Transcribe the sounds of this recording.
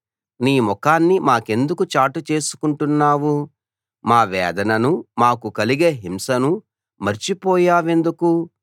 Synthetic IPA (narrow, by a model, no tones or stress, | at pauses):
niːmɔkaːnːimaːke̞nd̪ukut͡ʃaːʈut͡ʃe̞ːsu̥kuɳʈunːaːwu | maːʋɛːd̪ɐnɐnumaːkukɐliɡe̞ːɦimsɐnu | mɐɾt͡ʃipɔːjaːʋe̞nd̪uku